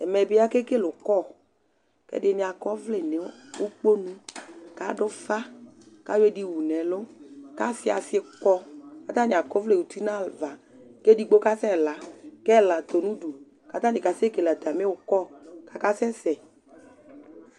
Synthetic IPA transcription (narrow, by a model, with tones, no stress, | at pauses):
ɛ˨mɛ˨bɪ˨˦a˦ke˦ke˦lʊ˨kɔ˦˨ | kɛ̰˦dɪ˨nɪ˨a˨kɔ˦vlɪ˨nɪ˨˦ʊ˦k͡po˦nũ˧ka˨˦dʊ˦fa˦ | ka˦jwe˦di˧wu˨nɛ˨lʊ˦ka˦sɪ˦a̰˨sɪ˧˦kɔ˧ka˦t̪a˦nɪ̃˨a˨kɔ˦vle˦˨wu˨t̪i˦nã˦˨lva˨ | kɛ˦di˧ɡ͡bo˦ka˦sɛ˦˨la˨kɛ˦˨la˨t̪o˨nũ˦du˨ | ka˦t̪a˦nɪ̃˨ka˨se˦ke˨la˨t̪a˨mɪ˦ʊ˨kɔ˦˨ka˦ka˦sɛ˦sɛ˨